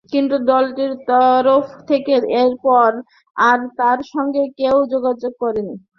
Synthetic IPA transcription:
kint̪ud̪ɔlʈiɾt̪ɔɾofʰt̪ʰekeɾeɾpɔɾ | aɾt̪aɾʃɔŋɡekewd͡ʑoɡad͡ʑoɡ̚kɔɾeni

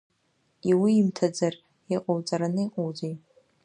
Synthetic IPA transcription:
iwiːmtʰad͡zar | iqʼowt͡sʼaɾanɨiqʼowd͡zej

